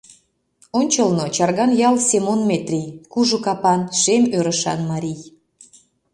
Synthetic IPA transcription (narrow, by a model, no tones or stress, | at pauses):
onʲt͡ɕəlnot͡ɕɑrɣɑnjɑlsʲemonmet̪rʲijkuʒokɑpɑnʃemøɾəʃɑ̰nmɑɾʲij